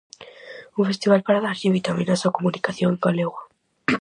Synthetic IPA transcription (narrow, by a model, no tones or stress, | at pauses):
uŋfest̪iβalpaɾaðaɾʎiβit̪aminasakomunikaθjoŋŋɡaleɣwa